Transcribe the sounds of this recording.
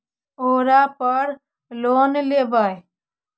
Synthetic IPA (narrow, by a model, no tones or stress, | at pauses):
oːɾaːpəɾ | loːnleːbəj